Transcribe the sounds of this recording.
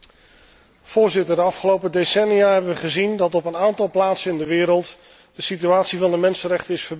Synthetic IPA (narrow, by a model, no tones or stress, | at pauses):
v̥ʊːɹzɪtədəɑfχəlowpədesɛnijaɦɛbənʋəχəzindɑtɔpənaːntɑlˠplaːtsənɪndəʋɪːɾəlˠt | d̥əsityaːtsivɑndəmɛnsənrɛχtəɪsfəb